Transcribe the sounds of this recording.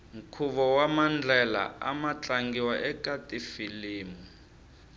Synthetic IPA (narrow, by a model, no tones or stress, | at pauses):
ŋ̩kʰuβɔwamand͡ɮʱɛla̰a̰mat͡ɬʼaŋɡiwaʔɛkʼatʼifiliːmu